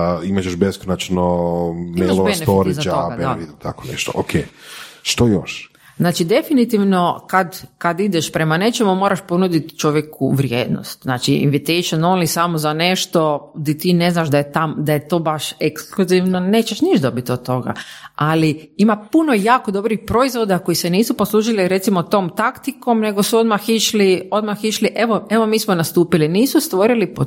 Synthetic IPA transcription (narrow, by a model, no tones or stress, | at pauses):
imat͡ʃeʃbeskonat͡ʃnomemalobenefpːɾizatd͡ʒaoɡadbeait̪ʰa̰konḛʃt̪oʔokʰḛʃt̪ojo̰ʃ | znaːt͡ʃid̪e̞finit̪iʋno̞kad̪kad̪id̪eʃpɾemane̞t͡ʃemumoːɾaʃponud̪it̪t͡ʃoʋjekuʋɾjeːd̪no̰st̪znaːt͡ʃiḭnʋit̪ejʃononlisamozaneʃt̪od̪it̪iːne̞znaʃd̪ajet̪amd̪aje̞t̪o̞ːbaʃekskluziʋnone̞ːt͡ʃeʃniʒd̪o̞bit̪od̪̚t̪ːo̞ɡa̰aliimapuno̞jaːko̞d̪o̞bɾixpɾo̞izʋo̞d̪ako̞jiseniːsuposlˠuːʒiliɾe̞t̪simot̪oːmt̪akt̪iko̞mne̞ɡo̞suo̞d̪maxiʃlio̞d̪maxiʃliʔe̞ʋoe̞ʋo̞miːsmonast̪uːpiliniːsust̪ʋo̞ɾilipo